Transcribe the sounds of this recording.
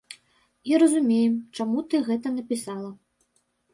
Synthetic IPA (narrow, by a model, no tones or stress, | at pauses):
iɾɐzumʲejɛmt͡ʂamut̪ɨɣɛt̪ɐnɐpʲisalˠɐ